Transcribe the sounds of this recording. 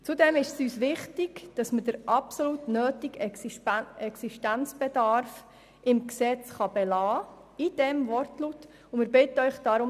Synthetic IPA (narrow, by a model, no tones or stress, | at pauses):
t͡sudɛmɪʃsyːsʋɪχtɪɡd̥ɑsməd̥əɾʔɑpsɔlutnøːtɪɡ | ɛksiʃtænt͡sb̥ɛdɑɾf | ɪmksɛt͡sχɑb̥ɛlɑː | id̥ɛmvɔrtlut | ʊmɪɾbɪtəœʏχd̥ɑɾʊm